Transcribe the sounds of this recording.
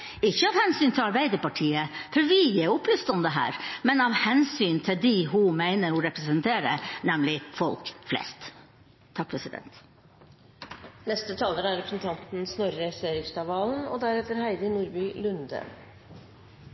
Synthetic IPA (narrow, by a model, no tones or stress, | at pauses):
ɪçːəɑːʋhɛnsyːnt̪ʰɪlɑɾbæɪd̪əpɑʈʰiːəfɔɾʋɪjɛʊplʏst̪ɔmd̪əɦæ̰ːɾmɛnɑʋhɛnsyːnt̪ʰɪld̪ɪɦʊmæɪnəɾhʊɾɛpɾɛsənt̪ʰeːɾə̰nɛmlɪfɔlkflɛ̰st̪ʰː | ɑk̚pʰɾɛsɪd̪ɛ̰nt̪ | nɛst̪ət̪ʰɑːləɾæɾɾɛpɾəsn̩t̪ʰɑnt̪n̩snoɾɾɛseːɾɪŋst̪ɑʋɑːln̩ɔ̰d̪æɾɛt̪əɾhæɪd̪ənuːɾbyːlʉnd̪ə̰